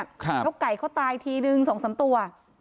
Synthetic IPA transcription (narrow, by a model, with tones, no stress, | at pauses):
jo˦˥kːa˨˩jkʰɔː˥˩wt̪aː˧jt̪ʰiː˧nɯ˧ŋso˨˩˦ŋsa˩˦mt̪u˧ɐ